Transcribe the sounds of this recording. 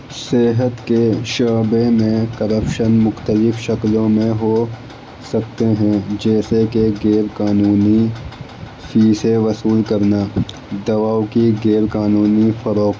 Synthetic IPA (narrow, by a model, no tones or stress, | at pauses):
seːɦət̪keʃaːbemẽkɐɾəpʃənmʊxt̪əlɪfʃɐklõmẽɦo | sɐk̚t̪eɦɛ̃d͡ʒɛːsekeɡeːɾkaːnuːni | fiːseʋɐsuːlkɐɾna | d̪ɐʋaːwkiɡeːɾkaːnuːnifɐɾoːk